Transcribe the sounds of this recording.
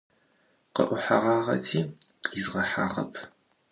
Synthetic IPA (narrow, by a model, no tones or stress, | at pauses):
qə̰ʔʷʊħaʁɑːʁɐ̰tʰiːqʼizʁɐħa̰ːʁɐ̰pʰ